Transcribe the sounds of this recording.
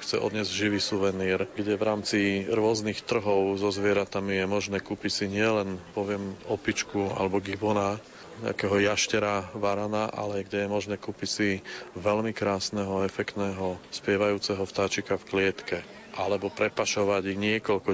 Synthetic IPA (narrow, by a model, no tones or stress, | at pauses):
xt͡sɛ̰ʔɔ̰d̪ɲɛzɟʒiʋiːsuʋɛniːɾɡɟɛʋɾaːmt͡siɾʊɔznixt̪r̩ɦɔʊzɔzʋɪɛɾat̪amijɛmɔʒnɛːkupisiɲɪɛlɛnpɔʋɪɛmɔpit͡ʃkua̰lɛbɔɡibɔna | ɲɛ̰a̰kɛːɦɔjaʃcɛɾaʋaɾanaʔa̰lɛɡɟɛjɛmɔʒnɛːkupisiʋɛlmikɾaːsnɛɦɔɛfɛkt̪nɛːɦɔspɪɛʋajuːt͡sɛɦɔft̪aːt͡ʃikafklɪɛt̪kɛ | ʔalɛbɔpɾɛpaʃɔʋaɟiɲɪɛkɔʎkɔ